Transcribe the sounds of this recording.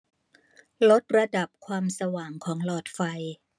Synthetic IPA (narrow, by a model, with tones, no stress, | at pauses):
lo˦˥t̪̚ɾa˧da˨˩p̚kʰwaː˧msa˧waː˩ŋkʰɔː˩˦ŋlɔː˨˩t̪̚fa˧j